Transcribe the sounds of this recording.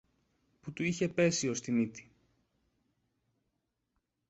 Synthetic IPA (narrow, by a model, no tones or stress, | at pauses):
put̪uiçe̞pe̞sio̞st̪init̪i̥